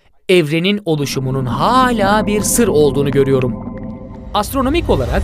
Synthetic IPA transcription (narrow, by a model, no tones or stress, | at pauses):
ɛvɾe̞nino̞lˠuʃumununhaːlʲaːbiɾsɯɾo̞lˠd̪uːnuɟø̞ɾyjo̞ɾum | ast̪ɾo̞no̞mico̞lˠaɾak